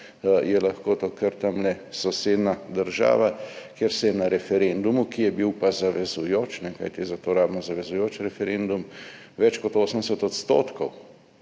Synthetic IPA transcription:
jɛlaxkot̪okəɾt̪amlɛ | sɔseːd̪nad̪əɾʒa̰ːʋakjeɾsɛjɛnaɾɛfɛɾend̪umukijɛbiwpazaʋɛzujoːt͡ʃnɛka̰jt̪izat̪oːɾaːbmɔzaʋɛzujoːt͡ʃɾɛfɛɾend̪um | ʋɛt͡ʃkɔt̪oːsəmɛsɛt̪ɔt̪st̪o̰ːt̪kɔw

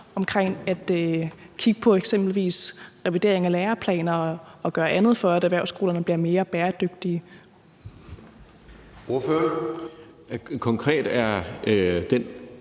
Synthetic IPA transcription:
ɒ̽mkʰʁeŋ̰æd̥ | kʰiɡ̥əpʰɒ̽eɡ̥sem̰b̥l̩ʋḭːsʁɛʋid̥e̝ɐe̝ŋæleːɐpʰlɛ̰ːnɐɒ̽ɡ̥ɶːɐʔænð̞̩ˠfɒ̽æɾæʋæɐʊsɡ̥o̝̰ːlɐnəb̥liɐme̝ːɐb̥ɛːɐd̥øɡ̥̚d̥iə | o̝ɐføɐ | kʰɒ̽ŋkʰʁɛ̰ːd̥æɐ | d̥en

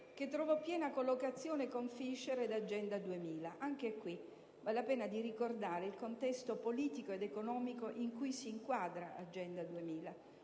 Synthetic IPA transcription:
k̟et̪ːɾɔvɔpjɛːnakolːokat̪sːjoːnekoɱfiʃːeɾed̪ad͡ʒɛnd̪ad̪uemiːlaʔaŋk̟ekwi | valelapɛːnad̪irikord̪aːɾeilkont̪ɛst̪opoliːt̪ikoed̪ekonɔːmikoʔiŋkujsiːŋkwaːd̪ɾaa̰d͡ʒɛnd̪ad̪uemiːla

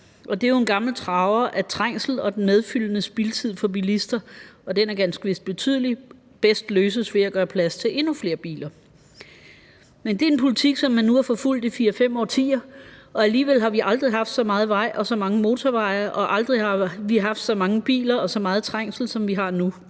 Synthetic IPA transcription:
ʔɒ̽d̥e̝æjo̝enɡ̥ɑ̈ml̩t͡sʰʁɑ̈ʊɐʔæt͡sʰʁaŋ̰sl̩ɒ̽d̥enmeð̞ˠfyl̰ənəsb̥ilt͡sʰið̞̰ˠfɒ̽b̥ilisd̥ɐɒ̽d̥enæɐɡ̥ænsɡ̥əʋe̝sd̥̚b̥e̝t͡sʰy̰ð̞̰ˠli | b̥esd̥løːs̬əsʋe̝æɡ̥ɶːɐpʰlæst͡sʰe̝ʔe̝nufle̝ːɐb̥ḭːlɐ | mend̥e̝æenpʰo̝lit͡sʰiɡ̥sɒ̽mːænːuhɑfɒ̽ful̰d̥ifiːɐfem̰ɒ̰ːt͡sʰḭːɐʔɒ̽æliːʋelɦɑ̈ʋiʔɑ̈ld̥ʁiɦɑ̈fd̥sɒ̽mɑ̈ːð̞̩ˠʋɑ̈ɪ̰ʔɒ̽sɒ̽mɑ̈ŋəmo̝ːt͡sʰɒʋɑ̈ɪ̰ɐʔɒ̽ʔɑ̈ld̥ʁihɑ̈ʋiɦɑ̈fd̥sɒ̽mɑ̈ŋəb̥ḭːlɐɒ̽sɒ̽mɑ̈ːð̞̩ˠt͡sʰʁɑŋ̰sl̩sɒ̽mʋiɦɑ̈nu

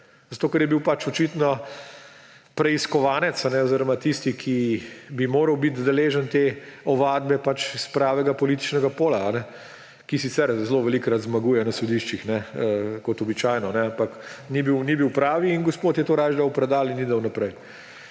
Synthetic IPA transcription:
zat̪oːkɛɾjɛbiwpat͡ʃɔt͡ʃit̪nɔ | pɾɛiskɔʋaːnɛt̪sanɛoziɾɔmat̪ist̪ikʰibimoːɾəwbit̪d̪ɛleːʒənt̪eɔʋaːd̪bɛpat͡ʃispɾaːʋɛɡapɔliːt̪i̥t͡ʃnɛɡapoːlaːnɛ | kisit̪sɛɾzloʋɛlikɾat̪zmɐɡujɛnɐsɔd̪iʃt͡ʃixnɛəkɔt̪ɔbit͡ʃaːjnɔnɛampɐknibiwnibiwpɾaːʋiːnɡospoːt̪jɛt̪oːɾaːjʒd̪awpɾɛd̪aːlinːid̪əwnɐpɾɛj

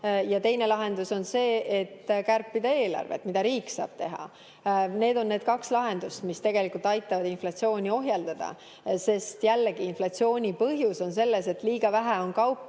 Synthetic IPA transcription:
jɑt̪e̞jne̞lɑɦe̞nd̪uso̞nse̞ːet̪ːkærpːid̪̥ɑe̞ːlɑ̰rvḛt̪ːmid̪̥ɑɾiːksɑ̰ːb̥t̪e̞ɦɑ̰ | ne̞ːd̪̥o̞nːed̪̥̚kɑkslɑɦe̞nd̪̥ust̪mist̪e̞ɡelikult̪ɑjt̪ːˑɑvɑd̪inflɑt̪sio̞ːnʲio̞ɦjɑld̪ɑd̪̥ɑ̰ | se̞st̪jælːeɡ̥iːnflɑt̪sio̞ːnʲipɤɦjuso̞nse̞lːe̞se̞t̪ːˑliːɡ̥ɑvæɦæo̞nkɑwpːˑ

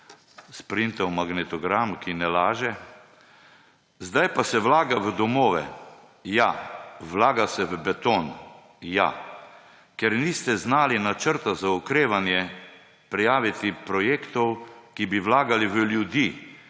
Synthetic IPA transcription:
spɾint̪ɔwmaɡnɛt̪ɔɡɾamkinɛlaːʒɛ | zd̪ajpasɛʋlaːɡaʋəd̪ɔmoːʋɛ̰ | jaʋlaːɡasɛʋəbɛt̪oːn | ja̰ | kɛɾniːst̪ɛznaːlinat͡ʃəɾt̪azaukɾeːʋanjɛ | pɾijaːʋit̪ipɾɔjeːkt̪ɔwkibiʋlaːɡaliʋəljud̪iː

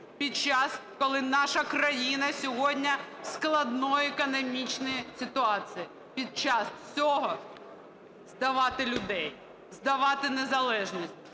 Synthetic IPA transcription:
pʲid̪̚t͡ʃɑskɔlˠɪnɑʃɐkɾɐjinɐsʲɔɦɔdʲnʲɐsklˠɐd̪nɔjɛkɔnɔmʲit͡ʃnɔjisʲɪt̪ʊɑt͡sʲiji | pʲid̪̚t͡ʃɑst͡sʲɔɦɔ | zd̪ɐʋɑt̪ɪlʲʊd̪ɛj | zd̪ɐʋɑt̪ɪnezɐlˠɛʒnʲisʲtʲ

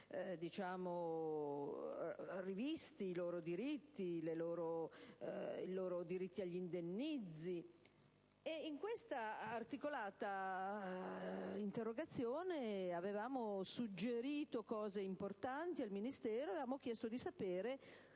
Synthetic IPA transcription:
d̪it͡ʃaːmo | rivist̪iːloːɾod̪iɾit̪ːileloːɾo | iloːɾod̪iɾit̪ːiaʎːind̪enːid̪zːi | eiŋkwest̪aːrt̪ikolaːt̪a | int̪erːoɡat̪sːjoːneavevaːmosud͡ʒːeɾiːt̪okɔːzeimport̪ant̪ialminist̪ɛːɾoavevaːmok̟jɛst̪od̪isapeːɾe

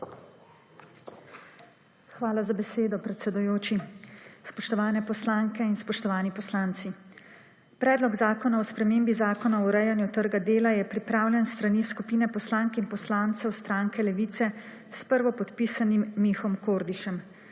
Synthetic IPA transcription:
xʋaːlazabɛseːd̪ɔpɾɛt̪sɛd̪ujoːt͡ʃispɔʃt̪ɔʋaːnɛpɔslaŋkɛinspɔʃt̪ɔʋaːnipɔslaːnt̪si | pɾɛːd̪lɔɡzaːkɔnaɔspɾɛmeːmbizaːkɔnaɔɾɛjanjut̪əɾɡad̪eːlajɛpɾipɾaːwlʲjɛnst̪ɾaniskupiːnɛpɔslaːŋkinpɔslaːnt̪sɛwst̪ɾaːŋkʰɛlɛʋiːt̪sɛ | spəɾʋɔpɔt̪pisanimːixɔmkoːɾd̪iʃɛm

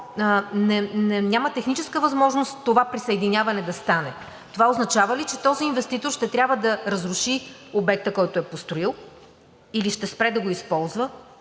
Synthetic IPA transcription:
nɛnɛnʲamət̪ɛxnit͡ʃɛskəvɐzmɔʒnosovapɾisɐɛd̪inʲavɐnɛd̪ɐst̪anɛ | t̪ovaoznɐt͡ʃavəlit͡ʃɛt̪ɔziːnvɛst̪it̪oɾʃt̪ɛt̪ɾʲabvəd̪ɐɾɐzɾʊʃiobɛk̚t̪əkɔjt̪oɛpost̪ɾoilˠ | iliʃt̪ɛspɾɛd̪ɐɡoispɔlˠzvə

